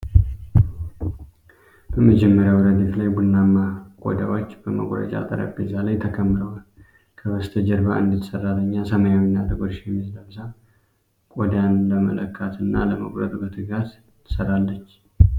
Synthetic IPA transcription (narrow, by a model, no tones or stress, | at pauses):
b̥əməd͡ʒɛmːəɾjawɾəd̪iflajbulnamːakʷʼo̰d̪awot͡ʃːbəmə̰ɡʼɾə̰t͡ʃʼa̰t̪ʼə̰ɾa̰bezalajt̪ʰəkʰəmːɾəwal | kʰəwəst̪ʰəd͡ʒəɾbaʔɨ̰nd̪ɨt̪sərːaləɲːasəmajawinːat̪ɨɡoɾʃɛmːisləmsa | kʼod̪janləmə̰ləkʰːat̪ʰɨnːa̰ləmə̰ɡɾə̰t̪ʼubət̪ʰɨɡat̪ʰː | ə̥səɾalːət͡ʃː